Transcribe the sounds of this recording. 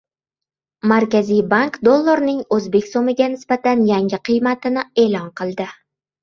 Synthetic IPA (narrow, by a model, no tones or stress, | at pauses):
maɾkʲazijbaŋkd̪olˠːoɾnɪŋɵzbe̞kʲsomɪɡʲanɪsbat̪anjaŋʲɪqʰɨjmat̪ɪnɪe̞ːlˠɒnqʰɨlˠd̪ɪ